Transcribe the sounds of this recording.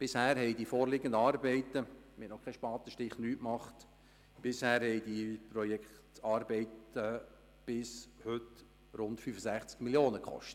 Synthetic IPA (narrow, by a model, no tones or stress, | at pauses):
b̥ɪshæːɾhɛɪdifoːɾlɪɡəndəɑːɾbɛɪtəmɛtnɔχkʰːɛʃpɑːt̪əʃtɪχnyːtmɑχt | b̥ɪshæːɾhɛɪdipɾɔjɛkχtɑːɾbɛɪtə | b̥ɪshʏt | ɾʊntfyːfəsæχt͡skmiljoːnəkχɔ̰ʃtə̥t